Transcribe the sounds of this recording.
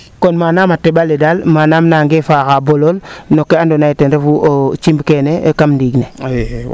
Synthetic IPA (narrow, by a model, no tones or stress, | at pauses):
konmanamatebaledalmanamnaŋɡefaːxabololnokːeandonaitenɾefuʔot͡ʃimbkenekamndiɡne